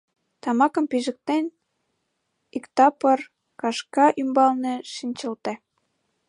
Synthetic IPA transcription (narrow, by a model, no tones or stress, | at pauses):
t̪ɑmɑkə̆mpiʒə̆k̚t̪en | ikt̪ɑpər | kɑʃkɑʔymbɑlneʃinʲt͡ɕəlt̪e